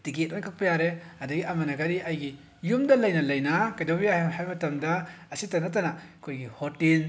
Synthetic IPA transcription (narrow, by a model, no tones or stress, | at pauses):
tiɡet̚ɐnkʰak̚pɐjaɾehɐdɐɡiɐmɐnɐkadiʔɐjɡi | jumdɐlɐjnɐlɐjnɐkajdobijahemɦajmɐtɐmdɐɐsitɐnɐt̬ɐnɐkʰojɡihotil